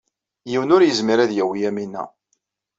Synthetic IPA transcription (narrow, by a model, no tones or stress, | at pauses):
jiwənʊɾjəzmiɾæðjæwijæminːæ̰